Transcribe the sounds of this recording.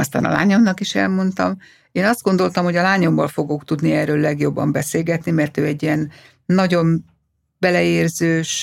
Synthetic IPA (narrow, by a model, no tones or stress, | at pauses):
ɒst̪a̰ːnɒ̰la̰ːɲo̞mnɒkiʃɛ̰lmo̞nt̪ɒm | eːnɒzd̪ɡo̞nd̪o̞lt̪ɒmho̞ɟɒlaːɲo̞mvɒlfo̞ɡo̞kt̪ud̪niɛːrøːlːɛɡjo̞bːɒ̰mbɛseːlɡɛt̪nimɛrt̪øːɛɟːiɛnː | ɒɟo̞m | bɛlɛeːrzøːʃ